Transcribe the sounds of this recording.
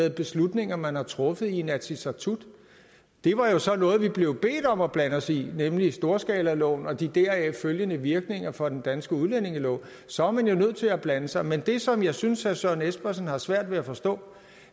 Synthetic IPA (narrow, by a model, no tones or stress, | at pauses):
ð̩ˠb̥e̝slud̥ne̝ŋ̰ɐmænhɑ̈t͡sʰʁɔ̽fð̞̩ˠinæsisɑt͡sʰud̥ | d̥e̝ʋɑ̈jo̝sɒ̽nɔ̽ːð̩ˠʋib̥le̝ʊb̥e̝̰ːd̥ɒ̽mɒ̽b̥lænəɒsinemlisd̥o̝ːɐsɡ̥ɛːlælɔ̰ʊnɒ̽d̥id̥æɐɛføljənəʋiɐɡ̥ne̝ŋ̰ɐfɒ̽d̥end̥ænsɡ̥əuðˠlene̝ŋəlɔ̰ʊ | sɒ̽ɑmænjo̝nøð̞̰ˠt͡sʰe̝læb̥lænəsɑ̈ɪmend̥e̝sɒ̽mjɑ̈ɪsynsæsɶɐ̰nesb̥ɐsnhɑ̈sʋæɐ̰d̥ʋe̝æfɒ̽sd̥ɔ̰̽ː